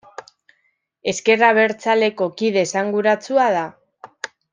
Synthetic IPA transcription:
e̞ske̞raβ̞e̞ɾt͡sale̞ko̞kiðe̞saŋɡuɾat͡suaða

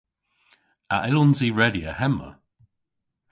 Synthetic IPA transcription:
aʔɛlɔnziɹɛdiə̰hɛmə̰

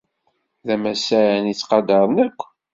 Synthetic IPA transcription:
ðæmæsæɾænit͡sːqɑd̪əɾˤnækʷː

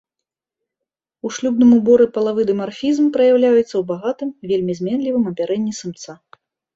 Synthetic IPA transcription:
uʂlʲubnɨmubɔɾɨpɐlˠavɨd̪ɨmarfʲizmpɾɐjawlʲajut̪sːɐwbaɣat̪ɨmvʲelʲmʲizʲmʲɛnlʲivɨmɐbʲaɾɛnʲːisɨmt̪sa

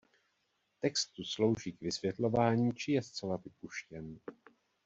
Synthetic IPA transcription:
t̪ɛkst̪uslo̞wʒiːkvɪsvjɛt̪lo̞vaːɲiːt͡ʃɪjɛst͡sɛlavɪpuʃcɛn

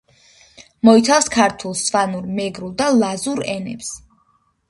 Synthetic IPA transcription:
mɔit̪ʰafskʰaɾt̪ʰulˠsvanuɾmɛɡɾulˠd̪alˠazuɾɛnɛ̰ps

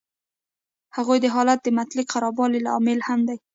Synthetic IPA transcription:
haɣojd̪əɦɑlat̪̚d̪əmat̪liqʰaɾɑbɑlilaɑ̰mɪlhamd̪aj

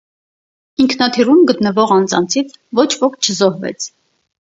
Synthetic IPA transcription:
iŋkʰnɑt̪ʰirumɡət̪nəvɔʁɑnd͡zɑ̰nt͡sʰit͡sʰvɔt͡ʃʰvɔkʰt͡ʃʰəzɔɦvɛ̰t͡sʰ

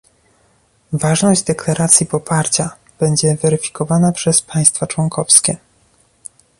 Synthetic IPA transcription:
vaʐnɔʑd͡ʑd̪ɛklaɾʔat̪sʲjipɔpaɾt͡ɕa | b̥ɛɲd͡ʑɛvɛɾɘfʲi̥kɔvanapʂɛspʰaj̃st̪fat͡ʂwɔŋkɔfskʲɛ

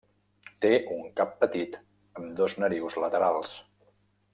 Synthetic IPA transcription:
t̪eʔuŋkapːət̪it̪ | əmd̪oznəɾiwzlət̪əɾalˠs

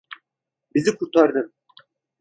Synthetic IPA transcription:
bizikʰuɾt̪ɑɾd̪ɯm

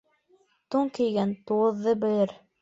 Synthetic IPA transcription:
t̪uŋkɘ̆jɡænt̪uwɤ̆ðːɤbɘ̆lɘɾ

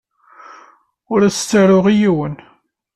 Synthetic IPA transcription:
ʊɾæst͡sːəɾʊʁijiwən

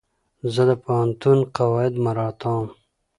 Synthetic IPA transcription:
zəd̪əpohant̪unqawɑːɪd̪maɾɑːt̪ɑ̃ːm

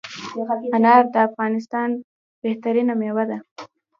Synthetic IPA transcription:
anɑɾd̪əafɣɑnɪs̬t̪ɑn | b̥eht̪aɾinamewad̪a

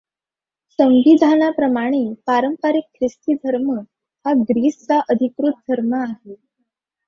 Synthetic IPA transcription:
səmʋid̪ʱanapɾəmaɽ̃epaɾəmpaɾikkʰɾist̪iːd̪ʱəɾmə | haɡɾiːst͡saʔəd̪ʱikɾut̪̚d̪ʱəɾməaɦe

